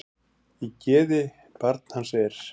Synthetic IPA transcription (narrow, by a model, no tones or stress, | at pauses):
icɛːðɪ | paɾt̪̚n̥hansɛɾ̥